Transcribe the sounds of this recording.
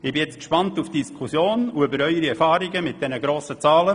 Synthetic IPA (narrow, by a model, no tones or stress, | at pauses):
ɪbɪjɛt͡skʃpɑntufd̥iskʰusjoːnuʏbəɾœʏəɾiɛɾfɑːɾiɡəmɪt̚d̥ɛnəɡɾoːsət͡sɑːlə